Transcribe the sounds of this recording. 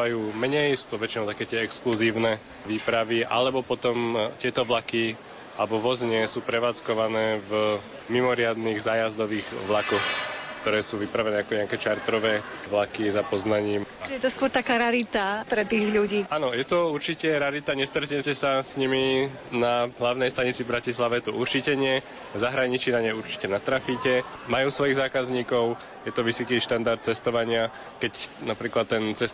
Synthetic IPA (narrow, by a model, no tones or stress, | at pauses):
ajuːmɛɲɛjsu̥ːt̪ɔʋɛt͡ʃinɔʊt̪akɛːt̪ɪɛɛkskluziːʊnɛ | ʋiːpɾaʋiʔa̰lɛbɔpɔt̪ɔmt̪ɪɛt̪ɔʋlaki | alɛbɔʋɔzɲɛsuːpɾɛʋaːt͡skɔʋanɛːv | mimɔɾɪad̪niɣzaːjazd̪ɔʋiːɣʋlakɔxkt̪ɔɾɛːsuːʋipɾaʋɛnɛːakɔɲɛakɛːt͡ʃaɾt̪ɾɔʋɛːʋlakizapɔznaɲiːmjɛt̪ɔskwɔɾt̪akaːɾaɾit̪apɾɛt̪iːɣʎuɟiːanɔjɛt̪ɔuɾt͡ʃicɛɾaɾit̪aɲɛst̪ɾɛcɛcɛsasɲimi | naɦlaʊnɛjst̪aɲit͡sivbɾacislaʋɛjɛt̪ɔʔuɾt͡ʃicɛɲɪɛ | vzaɦɾaɲit͡ʃinaɲɛjuɾt͡ʃi̥cɛnat̪ɾafiːcɛmajuːsʋɔjiɣzaːkazɲiːkɔʊ | jɛt̪ɔʋisɔkiːʃt̪and̪aɾt̪̚t͡sɛst̪ɔʋaɲɪa | kɛcnapɾiːklat̪ːɛnt͡sɛs